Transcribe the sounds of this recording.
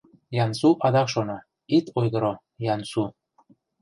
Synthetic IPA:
jɑnsuʔɑd̪ɑkʃonɑ | it̪ojɣɤɾo | jɑnsu

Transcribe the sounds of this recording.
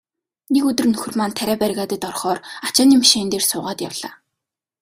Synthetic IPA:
nekɵt̪ɵ̆rnɵxɵ̆rmaːnt̪ʰæɾæːpæɾʲɣaːt̪ə̆t̪ɔrχɔːrat͡ɕaːnimʃeːnt̪eːrsʊːʁaːt̪ja̰wɮ̥a̰ː

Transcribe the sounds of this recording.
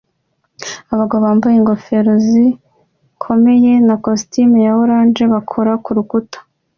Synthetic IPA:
aβaɡoβaːmbajeŋɡo̞fe̞ɾozi | kʰo̞me̞je̞nakostimujaβoɾaːnd͡ʒe̞βakʰoɾakuɾukutḁ

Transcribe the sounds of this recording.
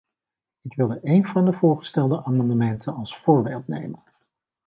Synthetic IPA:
ɪkʋɪlˠdəʔejnvɑndəv̥ʊːɹχə̥stɛlˠdəʔaːmɑndəmɛntʰənɑlˠsfʊːɹbeːlˠtnḛjmən

